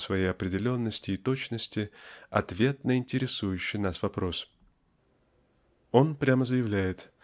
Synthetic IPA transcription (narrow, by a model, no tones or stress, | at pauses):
svɐjejɐpɾʲɪdʲɪlʲo̞nːəsʲtʲɪːt̪o̞t͡ɕnəsʲtʲɪɐ̰t̪vʲe̞t̪nəɪnʲtʲɪɾʲɪsujʉɕːɪjnasvɐpɾo̞s | o̞npɾʲaməzəjɪvlʲæjɪt̪